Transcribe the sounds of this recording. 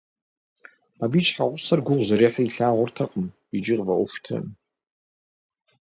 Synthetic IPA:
aːbiːt͡ʃʼħaʁʷʊsɐrɡʷʊʁʷzɐɾeːħaiɬaːʁʷʊrtʰɐqʼəm | id͡ʒɪʁvɐʔʷʊxʷtʰɐ̰m

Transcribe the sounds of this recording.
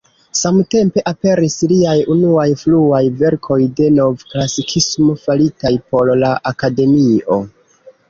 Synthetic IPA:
samte̞mpe̞ʔape̞ɾisliajunuajfluajve̞ɾkʰo̞jde̞no̞vklasikʰismo̞falitajpo̞ɾlaʔakade̞mio̞

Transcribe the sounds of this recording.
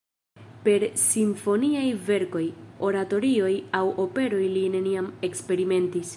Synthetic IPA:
pe̞ɾsiɱfo̞niajve̞ɾko̞jo̞ɾato̞ɾio̞jawo̞pe̞ɾo̞jline̞niame̞kspe̞ɾime̞ntis

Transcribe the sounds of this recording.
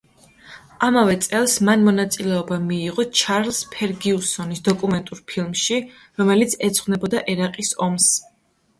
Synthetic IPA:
amavɛt̪sʼɛlˠsmanmɔnat̪sʼilɛɔbamiːʁɔt͡ʃʰaɾlspʰɛɾɡiusɔnisd̪ɔkʼumɛnt̪ʼuɾpʰilˠmʃi | ɾɔmɛlit̪sʰɛt̪sʰχwnɛbɔd̪aʔɛɾaqʼisɔms

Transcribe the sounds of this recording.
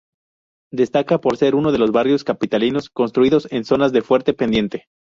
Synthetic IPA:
d̪e̞st̪akapo̞ɾse̞ɾuno̞ð̞e̞lo̞zβarjo̞skapit̪alino̞sko̞nst̪ɾuiðo̞se̞nso̞nazðe̞fwe̞ɾt̪e̞pe̞nd̪je̞nt̪e̞

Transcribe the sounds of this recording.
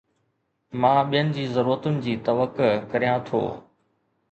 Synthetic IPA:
mãːɓijənɪ̆d͡ʑiːzɐɾuːɾət̪ʊnɪ̆d͡ʑiːt̪ɐʋəkkɐɾijãt̪ʰo̰ː

